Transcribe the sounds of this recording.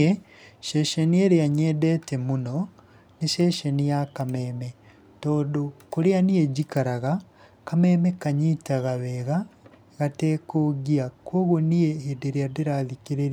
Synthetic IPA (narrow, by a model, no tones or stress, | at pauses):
e | ʃeʃenieɾeaɲɛːdɛtɛmunɔ | neʃeʃenijakamɛːmɛ | tɔːdokoɾeanied͡ʑikaɾaɣa | kamɛmɛkaɲitaɣaβɛɣa | ɣatekoɣiakwoɣonieːdeɾeadeɾaðikeɾeɾ